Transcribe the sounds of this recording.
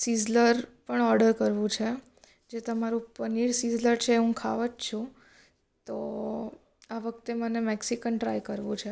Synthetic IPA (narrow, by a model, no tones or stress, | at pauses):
sizləɾpəɳɔɾɖəɾkəɾʋũt͡ʃʰe | d͡ʒet̪əmaɾũpəniɭsizləɾt͡ʃʰeːɦũkʰaʋət͡ʃt͡ʃʰũ | t̪o | aʋək̚t̪emənemeksikənʈɾa̰jkəɾʋũt͡ʃʰe